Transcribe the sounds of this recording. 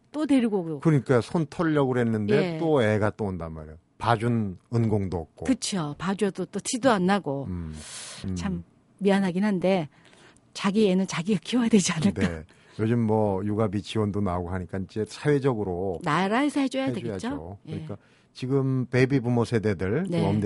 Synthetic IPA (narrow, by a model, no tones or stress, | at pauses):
t͈odwe̞ɾɡokɯɾʌɲik͈ajosʰontʰʌɭːʌɡɯɾoɦe̞nːɯnde̞t͈oe̞ɡat͈oːndanma̰ɾejo | pad͡ʑunɯnɡoŋdoʌk̚k͈okɯt͡ɕʰjopad͡ʑuʌdot͈otʰidoanːaɡo | t͡ɕʰamː | ianɦaɡinɦande̞ | t͡ɕaɡienɯnt͡ɕaɡiɡak͈ʰiojadwe̞d͡ʑianɯɭn͈a | jod͡ʑɯmːʌjuɡabit͡ɕiwʌndonaoɡoɦaɲik͈aid͡ʑe̞sʰaɥe̞d͡ʑʌɡɯɾonaɾaesʰʌhed͡ʑʌjadweɡet͡ɕ͈ookɲik͈a | t͡ɕiɡɯmpe̞bibumosʰe̞de̞dɯɭneʌmd